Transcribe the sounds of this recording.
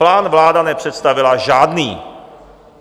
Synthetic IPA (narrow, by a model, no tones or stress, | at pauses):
laːnvlaːdanɛpr̥ɛt̪st̪avɪlaʒaːdniː